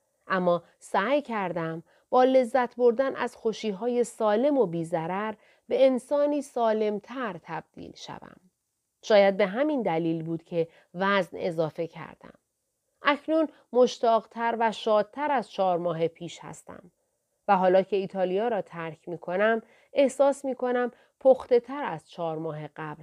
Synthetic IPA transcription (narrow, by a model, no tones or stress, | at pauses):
ʔæmːɒː | sæːjcʰæɾd̪æm | b̥ɒːle̞zːæt̪ʰbo̞ɾd̪ænæ̰z̥xoʃiːɦɒːje̞sɒːle̞mo̞biːzæɾæɾ | be̞ensɒːniːsɒːle̞mt̪ʰæɾt̪ʰæb̥̚d̪̥ḭːlʃæ̰væ̰m | ʃɒːjæd̪̚be̞ɦæmind̪æliːlbuːd̪̥cʰe̞ | væzne̞zɒːfe̞cʰæ̰ɾd̪̥æ̰m | ʔæcʰnun | mo̞ʃt̪ɒːɣt̪ʰæɾvæʃɒːd̪̥̚t̪ʰæɾæz̥t͡ʃʰɒːɾmɒːɦepʰiːʃhæ̰st̪æ̰m | væɦɒːlɒːcʰe̞iːt̪ʰɒːlijɒːɾɒːt̪ʰæɾcʰmiːkʰo̞næm | ʔe̞hsɒːsmiːkʰo̞næm | pʰoxt̪e̞t̪ʰæɾæz̥t͡ʃʰɒːɾmɒːɦeɣ̥æb̥l